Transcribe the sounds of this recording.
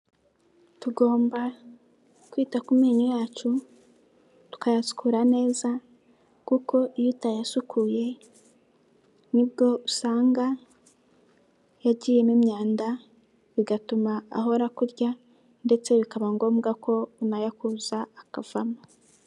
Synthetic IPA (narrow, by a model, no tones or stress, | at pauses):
tuɡo̞ːmba | kwiːtakumiːɲojaːt͡ʃu | tu̥kajasu̥kʰuɾane̞ːza | kuko̞ʔijitajasukʰuːje̞ | nibɡo̞usaːŋɡa | jaɟiːje̞nimɲaːnda | βiɡatuma̰ːɦo̞ɾakuɾɟa | nde̞t͡se̞βikaβaŋɡo̞ːmɡakʰo̞unajakuzaːkav̥amo